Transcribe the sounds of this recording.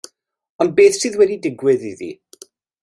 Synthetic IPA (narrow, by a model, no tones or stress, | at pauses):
ɔnd̚beːθsɨːðwɛdidɪɡwɪðiðḭ